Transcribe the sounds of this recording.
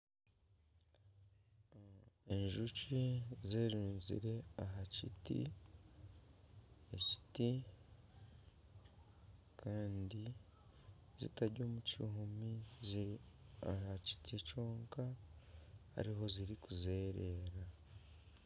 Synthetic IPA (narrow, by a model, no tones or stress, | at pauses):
eɲʒucizeːɾuːnzḭɾe̞aɦacḭtḭ | eci̥ti | kʰaːndi | zḭtaɾɟo̞ːmuciɦumiziahaci̥tʰicoːŋka | ha̰ɾiɦo̞ziɾikuze̞ːɾe̞ːɾa